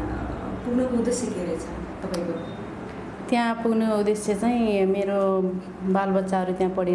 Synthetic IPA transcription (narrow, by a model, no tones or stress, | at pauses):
puɡnʌpuud̪esjekeɾet͡sʰʌ | t̪ʌpaj̃ko | t̪jãpuɡnoud̪eset͡saĩmeɾo | balbʌt̪ːsaɦʌɾut̪jãpʌɽi